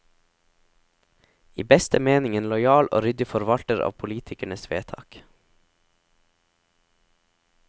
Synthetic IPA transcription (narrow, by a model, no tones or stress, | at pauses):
ḭːbɛst̪əmeːnɪŋənlɔjɑːlʔo̰ːɾʏd̪ɪfɔɾʋɑlt̪əɾɑ̰ːʋpʰʊliːt̪ʰɪkæɳəsʋeːt̪ʰɑ̰ːk